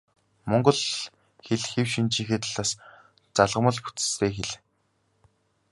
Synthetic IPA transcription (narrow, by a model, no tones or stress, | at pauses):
mɔŋɢɞ̆ɮ | xeɮxewʃint͡ɕiːxet̪̆ɮaːs | t͡saɮʁə̆mə̆ɮxu̥t͡sɘ̥̆st̪ʰeːxeɮ